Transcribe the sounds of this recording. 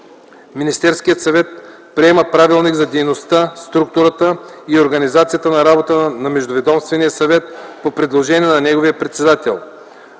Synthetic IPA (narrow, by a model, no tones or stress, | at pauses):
minist̪ɛɾskijət̪sɐvɛt̪ | pɾiɛməpɾavilˠniɡzɐd̪ɛjnost̪ast̪ɾuk̚t̪uɾət̪əioɾɡɐnizat̪sijət̪ənɐɾabot̪ənɐmɛʒd̪ovɛd̪ɔmst̪vɛnijəsɐvɛt̪̚popɾɛd̪lˠoʒɛniɛnɐnɛɡovijəpɾɛt̪sɛd̪at̪ɛ̰lˠ